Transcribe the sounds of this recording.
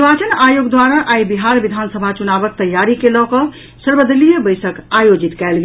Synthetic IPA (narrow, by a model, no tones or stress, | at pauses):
bat͡ʃənajoɡd̪waɾaʔajbiɦaɾbid̪ʱansəbʱat͡ʃunabək̚t̪əjːaɾikelɔkɔ | səɾbəd̪əlijəbəjsəkajod͡ʒit̪kɛelɡe